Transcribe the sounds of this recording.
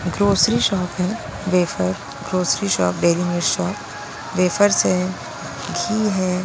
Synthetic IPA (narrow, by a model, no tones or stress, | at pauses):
ɡɾoːsɾiʃɔːpɦɛː | ʋeːfəɾ | ɡɾoːsɾiʃɔ̰ːp̚ɖeːɾimeːɾʃɔːp | ʋeːfəɾse | ɡʱiːɦɛː